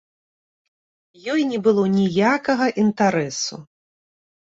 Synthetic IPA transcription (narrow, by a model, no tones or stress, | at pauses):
jɔjnʲɛbɨlˠɔnʲijakɐɣɐʔint̪aɾɛsṵ